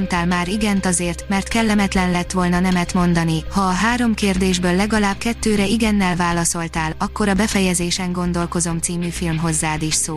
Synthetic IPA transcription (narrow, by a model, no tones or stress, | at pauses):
nt̪aːlmaːɾiɡɛnt̪ɒzeːrt̪mɛrt̪kɛlːɛmɛt̪lɛnlɛt̪ʋo̞lnɒnɛmɛt̪mo̞nd̪ɒnihɒːɦaːɾo̞mkeːrd̪eːʒbøːlːɛɡɒlaːbkɛt̪ːøːɾɛiɡɛnːɛlvaːlɒso̞lt̪aːlɒkːo̞ɾɒbɛfɛjɛzeːʃɛŋɡo̞nd̪o̞lko̞zo̞mt̪siːmyːfilmɦo̞zːaːd̪iʃsoː